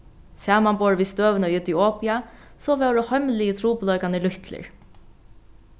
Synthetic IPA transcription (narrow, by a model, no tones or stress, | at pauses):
sæːmambɔːɹʋiːst̪øːʋənəʏt̪iɔːpja | sɔʋɛwɾəhœmlɪət̪ʰɾuːplɔʏkanəlʊht̪ʰlɪ̰ɹ